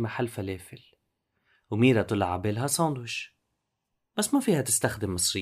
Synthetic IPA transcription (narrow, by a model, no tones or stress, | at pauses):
maħalːfaleːfɪl | wmiːɾat̪ɨlʕa̰beːlɦasˤɑːnd̪wɪʃ | b̥asːmafiːhat̪ɪst̪axd̪ɪmːɨsˤɾɪ